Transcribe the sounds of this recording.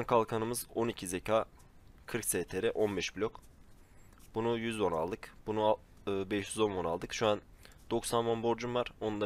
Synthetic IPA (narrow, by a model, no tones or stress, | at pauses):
ankʰalˠkʰanɯmɯzo̞nicʰizecʰaː | kʰɯɾkseːt̪ʰeɾɛʔo̞nbɛʃbilʲok | b̥unujyzvo̞nalˠd̪ɯkbunu | ɯːbɛʃjyzo̞nvo̞na̰lˠd̪ɯkʃuan | d̪̥o̞ksanmonbo̞ɾd͡ʒumvaɾ̥onund̪a